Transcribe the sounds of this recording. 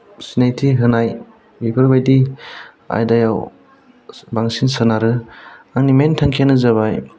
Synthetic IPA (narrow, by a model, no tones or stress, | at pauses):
sinajtʰiɦɯnaj | bipʰɔɾbajdi | a̰jdajaw | baŋsinsɯnaɾɯaŋnimentʰaŋkʰanɯzaβaj